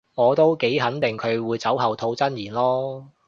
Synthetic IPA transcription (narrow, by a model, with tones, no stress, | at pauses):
ŋɔː˨˧t̪o˥wke˨˥jɦɐ˨˥nt̪ɪ˨ŋkʰɵ˨˧ɥwuː˨˧jt͡sɐ˨˥wɦɐ˨wt̪ʰo˨˧˥wt͡sɐ˥njiː˨˩nlɔː˥